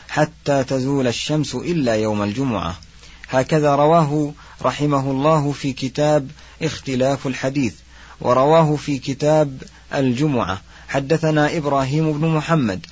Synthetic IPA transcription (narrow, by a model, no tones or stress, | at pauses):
ħat̪ːaːt̪azuːlaʃːamsʊʔɪlːaːjawmald͡ʒʊmʊ̰ʕa̰ | haːkaðaːɾˤɑwaːɦʊ | ɾˤɑħɪmaɦʊlˤːɑːɦʊfiːkɪt̪aːb | ʔɪxt̪ɪlaːfalħad̪iːθ | wʔɑ̰ɾˤɑwaːɦʊfiːkɪt̪aːb | ʔa̰ld͡ʒʊmʊʕa̰ | ħad̪ːaθanaːʔɪbɾˤaːɦiːmʊbnʊmʊħamːa̰d̪